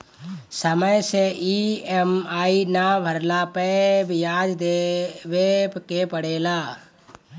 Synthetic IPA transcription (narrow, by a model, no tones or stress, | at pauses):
səməjseʔiemaːinabʱəɾlapebjaːd͡ʒd̪eʋepkepəɽeːlaː